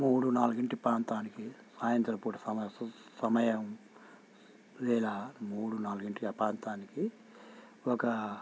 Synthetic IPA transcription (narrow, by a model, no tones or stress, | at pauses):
muːɽunaːluɡiɳʈipɾaːnt̪aːnikisaːjɐnt̪ɾɐpuːʈɐsɐmsɐmɐjɐm | ʋɛːlɐmuːɽunaːluɡiɳʈiɐpaːnt̪aːniki | ɔkɐ